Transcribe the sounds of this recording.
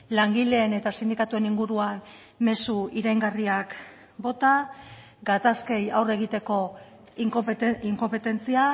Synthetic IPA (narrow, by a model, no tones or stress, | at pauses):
laŋɡile̞ːne̞t̪asind̪ikat̪ue̞niŋɡuɾuan | me̞suiɾajŋɡariak | bo̞t̪a | ɡat̪aske̞jawre̞ɣ̞it̪e̞ko̞ | iŋko̞mpe̞t̪e̞nt͡sia